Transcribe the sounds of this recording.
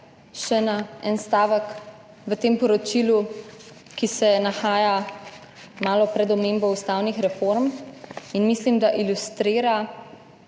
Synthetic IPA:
ʃɛnaɛnst̪aːʋək | ʋət̪eːmpɔɾɔt͡ʃilu | kisɛnaxaːja | maːlɔpɾɛd̪ɔmembɔust̪aːwnixɾɛfoɾminmislimd̪aʔilust̪ɾiːɾa

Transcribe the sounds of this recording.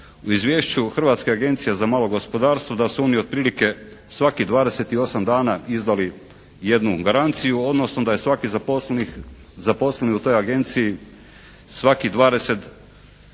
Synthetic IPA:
uizʋʲjeːʃt͡ɕuxr̩ʋaːt̪skeaɡe̞nt̪sijezamaːlˠo̞ɡo̞spo̞d̪aːɾst̪ʋod̪asuoniod̪̚pɾiːlike̞ | sʋakid̪ʋaːd̪e̞set̪io̞samd̪aːnaizd̪ali | je̞d̪nuɡaɾant̪sijuo̞d̪no̞snod̪ajesʋakizaoi | zapo̞sleniut̪o̞jaɡe̞nt̪siji | sʋakid̪ʋaːd̪e̞se̞t̪

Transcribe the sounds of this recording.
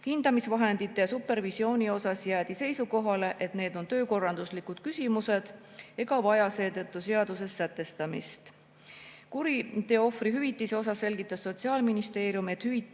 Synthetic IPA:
hind̪ɑmisvɑɦe̞nd̪̥it̪ːˑejɑsupːe̞rvisio̞ːnʲio̞sɑsjæːt̪ise̞jsuko̞ɦɑle̞ʔe̞t̪ne̞ːd̪o̞nt̪øːko̞rːɑnd̪̥uslikud̪̥kysʲimuse̞d̪̥ | e̞ɡ̥ɑvɑjɑse̞ːt̪ɤt̪ˑːuse̞ɑd̪use̞sːæt̪ːˑe̞st̪ɑmḭst̪ | kuɾit̪e̞o̞friɦyvit̪ˑːiseo̞s̬ɑsːe̞lɡit̪ːˑɑsːo̞t̪siɑːlminist̪e̞ːɾijume̞t̪ˑhyvi

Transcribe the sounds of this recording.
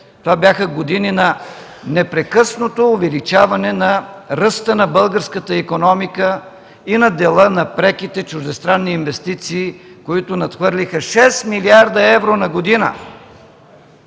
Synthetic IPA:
t̪ovabjaxəɡod̪ininɐ | nɛpɾɛkɤsnot̪oːvɛlit͡ʃavɐnɛnɐɾəst̪ənɐbɤlˠɡəɾskət̪əikonɔmikə | inɐd̪ɛlˠənɐpɾɛkit̪ɛt͡ʃʊʒd̪ɛst̪ɾanːiːnvɛst̪it̪siːkoit̪ʊnɐt̪xvɤɾlʲixəʃɛsmiliaɾd̪əɛvɾonɐɡod̪inə̰

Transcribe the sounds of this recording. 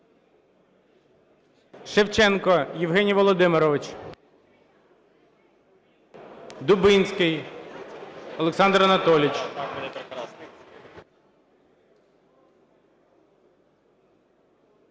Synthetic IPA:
ʃewt͡ʃɛnkɔjɪwɦɛnʲijʋɔlˠɔd̪ɪmɪɾɔʋɪt͡ʃ | d̪ʊbɪnʲsʲkɪj | ɔlˠeksɑnd̪ɾɐnɐt̪ɔlʲɪt͡ʃ

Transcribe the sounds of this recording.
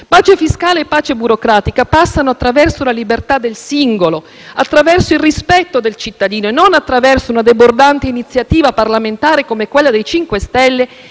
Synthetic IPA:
paːt͡ʃefiskaːleːpːaːt͡ʃebuɾokɾaːt̪ikapasːanoat̪ːɾavɛrsolalibert̪ad̪ːelsiŋɡolo | at̪ːɾavɛrsoilrispɛt̪ːod̪elt͡ʃit̪ːad̪iːnoenonat̪ːɾavɛrsounad̪ebord̪ant̪einit̪sːjat̪iːvaparlament̪aːɾekomekwelːad̪ejt͡ʃiŋkwest̪ɛlːe

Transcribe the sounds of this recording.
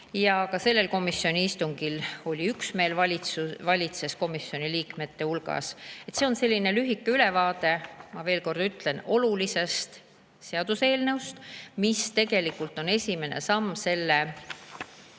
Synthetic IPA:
jɑkɑse̞lːe̞lko̞misːio̞niist̪uŋɡ̥ilo̞lʲiyksme̞ːlvɑlʲisuvɑlʲit̪se̞sko̞misːio̞niliːkme̞t̪ːe̞ulɡ̥ɑ̰se̞t̪ːse̞onse̞lʲːinelyɦikːeyle̞vɑːd̪̥e̞mɑve̞ːlko̞rd̪̥yt̪ˑle̞no̞lulise̞st̪ | seɑd̪̥use̞ːlnewst̪mist̪e̞ɡ̥e̞likːˑult̪ˑo̞ne̞sʲime̞ne̞̰sɑmːse̞lːe

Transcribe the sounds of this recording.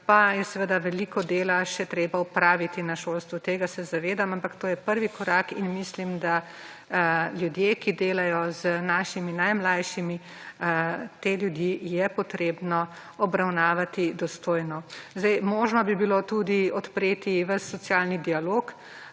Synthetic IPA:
pajɛsɛʋəd̪aʋɛlikɔd̪eːlaʃɛt̪ɾeːbaupɾaːʋit̪inaʃolst̪ʋut̪eːɡasɛzaʋeːd̪amampakt̪oːjɛpəɾʋikɔɾakinmislimd̪a | ljud̪jeːkid̪eːlajɔzənaːʃiminajmlajʃimi | t̪eːljud̪jijɛpɔt̪ɾeːbnɔ | ɔbɾawnaːʋat̪id̪ɔst̪oːjnɔzd̪ɛjmɔːʒnɔbibilot̪ud̪iɔt̪pɾeːt̪iʋəsːɔsjalnid̪ialoːk

